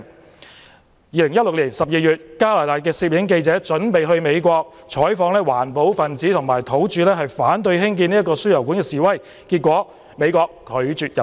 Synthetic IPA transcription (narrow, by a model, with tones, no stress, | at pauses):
jiː˨˧lɪ˨˩ŋjɐ˥t̚lʊ˨k̚liː˨˩nsɐ˨p̚jiː˧jyː˨t̚kaː˥laː˨˩t̪aː˨jk̬ɛː˧siː˧p̚jɪ˨˥ŋke˧jt͡sɛː˨˥t͡ʃɵ˨˥npe˨jɦɵ˧ɥme˨˧jkʷɔː˧k̚ | t͡ʃʰɔː˨˥jfɔː˨˧ŋlɛː˥waː˨˩npo˨˥wfɐ˨nt͡siː˨˥t̪ʰʊ˨˩ŋmaː˨˩jt̪ʰo˨˥wt͡ʃyː˨˧lɛː˥ɦɐ˨jfaː˨˥nt̪ɵ˧ɥɦɪ˥ŋk̬iː˧niː˥ɐ˥kːɔː˧sy˥jɐ˨˩wku˨˥nkɛː˧siː˨wɐ˥˩j | kiː˧t̚kʷɔː˨˥ | me˨˧jkɔː˧kkʰːɵ˨˧ɥt͡syː˨˧t̚jɐ˨˩